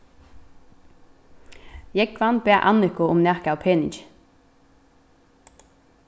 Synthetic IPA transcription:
jɛɡvanbɛːʔa̰nɪkʊʊmnɛhkawpʰeːnɪ̰t͡ʃ

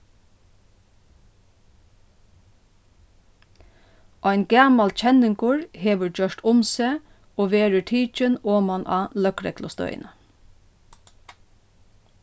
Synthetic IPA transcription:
ʔɔɪnɡɑːmalt͡ʃʰɛnɪŋkʊɹheːʋəd͡ʒœʂʈ̪ʰʊmseː | oːʋeːɹəʈʰiːt͡ʃɪnoːmanʔɑ̰ːlœkɾɛ̰klʊ̰st̪œ̰ʏ̰nə

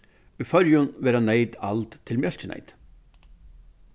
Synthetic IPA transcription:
ʏfœɾjʏnvɛːɾaneːjt̪alt̪t̪ʰːɪlmjœl̥t͡ɕɪnḛjt̪

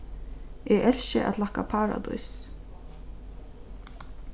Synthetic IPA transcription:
ʔɛʔɛlʃəʔæ̰t̪lahkapʰaːɹa̰d̪ɔ̰js

